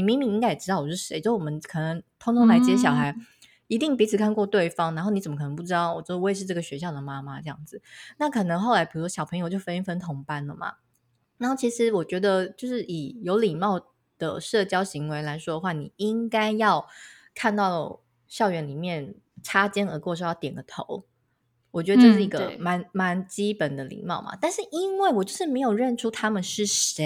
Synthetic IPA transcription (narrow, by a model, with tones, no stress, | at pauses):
ni˨˩mi˧˥ŋmi˧˥ŋi˥ŋka˥ɪjɛ˨˩ʈ͡ʂɻ̩˥t̪ɑ˥˩ʊwɔ˨˩ʂɻ̩˥˩ʂe˧˥ɪt͡ɕo˥˩wɔ˨˩mə˦nkʰɤ˨˩nɤ˧˥ŋt̪ʰoʊ˥ŋt̪ʰʊ˧˥ŋla˧˥ɪt͡ɕjɛ˥ɕjɑ˨˩ʊxa˧˥ɪ | i˧˥t̪i˥˩ŋpi˧˥t͡s̩ʰ˨˩kʰa˥˧nkwɔ˥˧t̪we˥˩ɪfɑ˥ŋna˧˥nxo˥˩n˧˥t͡sə˨˩məkʰnə˧˦˥pu˥˩ʈ͡ʂɻ̩˥t̪ɑ˥˩ʊwɔ˨˩t͡ɕwe˥˨˩ʂɻ̩˥˧ʈ͡ʂɤ˥˩ɡə˩ɕɥɛ˧˥ɕ̬jɑ˥˩ʊd̪ə˩ma˦˥ma˦ʈ͡ʂɤ˥˧jɑ̰˥˩ŋd͡zɹ̩˨˩na˥˩kʰɤ˨˩nɤ˧˥ŋxo˥˩ʊla˧ɪpʰi˨˩u˥ʂwɔ˥ɕɑ˨ʊpʰɤ˧˥ŋjo˧ʊt͡ɕjo˥˩ʊfə˥ni˥nfə˥nt̪ʰʊ˧˥ŋpa˥nlə˨mɐ̰˨˩ | na˧˥xo˥˩ʊt͡ɕʰi˧˥ʂɻ̩˧˦wɔ˨˩t͡ɕɥɛ˧˥d̪ə˧t͡ɕjo˥˧ʊʂɻ̩˥˩ʔi˨˩jo˧˥ʊli˨˩mɑ˥˩ʊ | d̪̥ə̰˩ʂɤ˥˩t͡ɕjɑ˥ʊɕi˧˥ŋwe˧˥ɪla˧˥ɪʂwɔ˥d̪ə˨˩xwa˥˩ni˨˩i˦ŋka˥ɪjɑ˥˧ʊ | kʰa˥˧nt̪ɑ˥˩ʊ | ɕjɑ˥˩ʊɥɛ˧˥nli˨˩mjɛ˥˩n | ʈ͡ʂʰa˥t͡ɕjɛ˥nə˧˥kwɔ˥˧ʂ̬o˥˩˦jt̪jɛ˨˩nɡə˦t̪ʰo˧˦ʊ | wɔ˨˩t͡ɕɥɛ˧˥də˨˧ʈ͡ʂɤ˥˧ʂɻ̩˥˩i˧˥ɡə˧ma˧˦nma˧˦nt͡ɕi˥pə˨˩nd̪ə˦lḭ˨˩mɑ˥˩ʊmɐ̰˨˩t̪a˥˧nʂɻ̩˥˩ʔi˦˥nwe˥˩ɪwɔ˨˩t͡ɕjo˥˧ʊʂɻ̩˥˩me˧˥ɪjo˨˩ʊɻə˥˩nʈ͡ʂʰu˥t̪ʰa˥mə˨nʂɻ̩˥˩ʂe˧˦ɪ